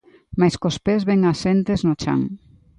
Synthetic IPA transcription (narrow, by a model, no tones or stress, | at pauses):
majskospezβeŋasent̪eznot͡ʃa̰ŋ